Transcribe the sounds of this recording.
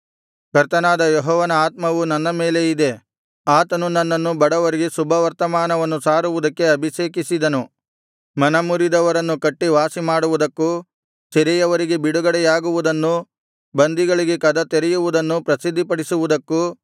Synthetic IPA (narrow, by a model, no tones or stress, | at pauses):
kɐɾt̪ɐnaːd̪ɐjɔɦɔːʋɐnɐaːt̪̚mɐʋunɐnːɐme̞ːle̞id̪e̞ | aːt̪ɐnunɐnːɐnːubɐɽɐʋɐɾiɡe̞subʱɐʋɐɾt̪ɐmaːnɐʋɐnːusaːɾuʋud̪ɐkːe̞ɐbʱiʃeːkisid̪ɐnu | mɐnɐmuɾid̪ɐʋɐɾɐnːukɐʈːiʋaːsimaːɽuʋud̪ɐkːu | sɐɾɛjɐʋɐɾiɡe̞biɽuɡɐɽɛjaːɡuʋud̪ɐnːu | bɐnd̪iɡɐɭiɡekɐd̪ɐt̪eɾɛjuʋud̪ɐnːupɾɐsid̪ʱːipɐɽisuʋud̪ɐkːu